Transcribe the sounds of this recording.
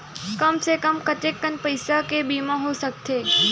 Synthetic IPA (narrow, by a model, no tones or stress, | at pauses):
kəmsekəmkət̪ekːənpəjsakebimãɦosək̚t̪ʰe